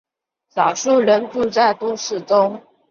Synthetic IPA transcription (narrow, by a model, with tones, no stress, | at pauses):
sɑ˨˩ʊʂu˥˩ɻə˧˥nʈ͡ʂu˥˧t͡sa˥˩ɪt̪u˥˧ʂɻ̩˥˩ʈ͡ʂʊ˥ŋ